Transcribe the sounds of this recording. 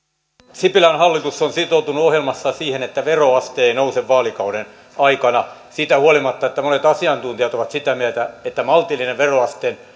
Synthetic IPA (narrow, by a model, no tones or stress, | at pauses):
sipilænhɑlːit̪usːonsit̪out̪unuohjelmɑsːɑsiːhenet̪ːæʋeroɑst̪eːinouseʋʋɑːlikɑuɾen | ɑikɑnɑsit̪æhuolimɑt̪ːɑet̪ːæmonet̪ɑsiɑnt̪unt̪ijɑt̪oʋɑt̪sit̪æmiæt̪æet̪ːæmɑlt̪ilːineʋʋeroɑst̪eːn